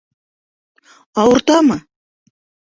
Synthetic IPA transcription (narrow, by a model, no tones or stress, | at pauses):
ɑwɤ̆ɾt̪ɑmɤ